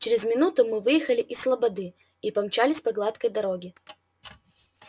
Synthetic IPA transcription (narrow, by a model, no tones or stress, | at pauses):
t͡ɕʲeɾʲɪzmʲɪnut̪ʊmɨvɨjɪxɐlʲɪʔislˠɐbɐd̪ɨ | ipɐmt͡ɕalʲɪsʲpɐɡlˠat̪kəjd̪ɐɾoɡʲɪ